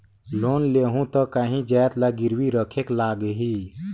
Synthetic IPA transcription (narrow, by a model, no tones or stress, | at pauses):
loːnleːɦũt̪ə̃kaɦĩd͡ʒaːjt̪laɡɪɾwiɾəkʰeːklaːɡɦiː